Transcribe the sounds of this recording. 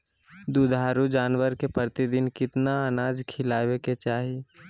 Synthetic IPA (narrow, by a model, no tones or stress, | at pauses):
d̪ud̪ʱaːɾud͡ʒaːnwəɾkepɾɾɪt̪id̪ɪnkɪt̪naənaːd͡ʒkʰɪlaːweket͡ʃaːɦi